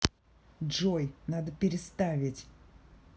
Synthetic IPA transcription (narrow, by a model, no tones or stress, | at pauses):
ʐojnad̪əpʲɪɾʲɪst̪avʲɪtʲ